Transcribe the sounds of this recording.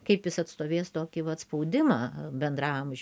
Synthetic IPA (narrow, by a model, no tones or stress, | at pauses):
kɐɪpjɪsɐt̪st̪oːʋʲeːst̪oːkʲɪʋɐt̪spɐʊd̪ʲɪmɑːbʲɛnd̪ɾɑːmʒʲ